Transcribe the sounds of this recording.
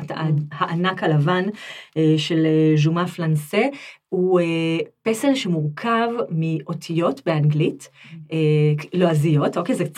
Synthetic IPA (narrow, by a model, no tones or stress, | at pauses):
tahaʔanakalavaneʃe̞leʒumaflansehuepeselʃemuʁkʰavmiʔo̞tʰijo̞tbeaŋɡliteloazijo̞tokejzekt͡s